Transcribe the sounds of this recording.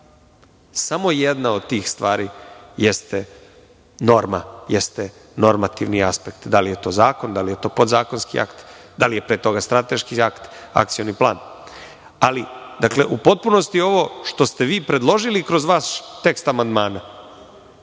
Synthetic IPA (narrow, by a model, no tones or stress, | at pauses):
samo̞jed̪naod̪t̪iːxst̪ʋaːɾijest̪e | no̞ɾmajest̪e | no̞ɾmat̪iʋniaspekt̪d̪alije̞t̪o̞ːzaːko̞nd̪alije̞t̪o̞ːpo̞d̪zaːko̞nskḭa̰kt̪d̪alije̞pɾeːt̪o̞ɡast̪ɾat̪e̞ʃkiakt̪ | a̰k̚t̪sijo̞niplˠaːn | alid̪akle̞ʔupo̞t̪̚puno̞st̪io̞ʋo̞ʃt̪o̞st̪eʋiːpɾe̞d̪lˠo̞ʒilikɾo̞zʋaːst̪e̞kst̪amand̪maːna